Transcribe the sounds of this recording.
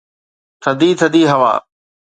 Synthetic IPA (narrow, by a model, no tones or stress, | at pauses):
t̪ʰɐd̪iːt̪ʰəd̪iːɦɐʋa̰ː